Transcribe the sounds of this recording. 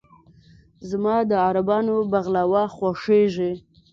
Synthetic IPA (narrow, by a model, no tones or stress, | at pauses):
zmɑd̪əaɾabɑnobaɣlawaxwaʂeʒi